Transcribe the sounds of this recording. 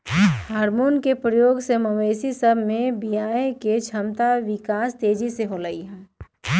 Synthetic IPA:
haːɾmoːnkepɾəjoːɡsemɐʋeːsisɐbʱmẽbijaːeket͡ʃʰɐmt̪aʋɪkaːst̪eːd͡ʒiseɦolɐiɦɛ̃ː

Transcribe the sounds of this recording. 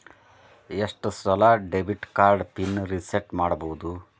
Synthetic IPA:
eʂʈsɾɐlɐɖebʱiʈkaːɾɖpinːɾiseʈmaːɽɐboʋud̪u

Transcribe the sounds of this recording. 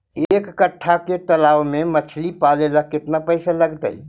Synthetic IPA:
ekːəʈʰːaket̪əlawmemət͡ʃʰlipaleləkːet̪napəjsaləɡt̪ə̰j

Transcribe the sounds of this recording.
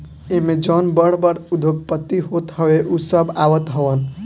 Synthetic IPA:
emed͡ʒənbəɽ̤bəɾud̪ʱoɡ̚pət̪ːiɦot̪ɦʌweʔusəbaʋət̪ɦəwən

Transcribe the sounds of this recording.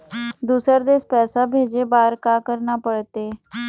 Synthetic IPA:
d̪uːsəɾd̪eːspɛːsabʱeːd͡ʒeːbaːɾkaːkəɾnaːpəɽt̪eː

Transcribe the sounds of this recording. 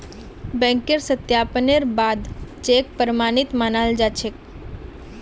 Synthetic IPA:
bɛ̃ŋkeɾsət̪japəneɾbad̪t͡ʃek̚pəɾmanit̪manald͡ʒat͡ʃʰek

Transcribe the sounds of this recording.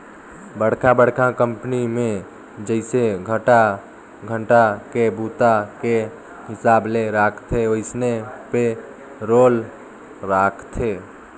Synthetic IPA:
bəɽkʰabəɽkʰakəmpnimẽ | d͡ʒəɪseɡʱəʈa | ɡʱəɳʈakebut̪ake | ɦɪsaːbleɾakʰt̪ʰeoɪsnepe | ɾoːl | ɾakʰt̪ʰe

